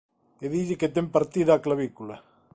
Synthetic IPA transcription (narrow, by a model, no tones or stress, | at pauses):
keðiʎeket̪empaɾt̪iðaːklaβikula